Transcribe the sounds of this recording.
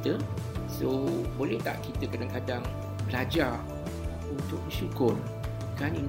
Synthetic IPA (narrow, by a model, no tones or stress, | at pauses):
t̪əsobolɛht̪a̰ʔkit̪əkadaŋkadaŋ | bəlad͡ʒar | unt̪ʊk̚mə̃ʃukʊr | kanin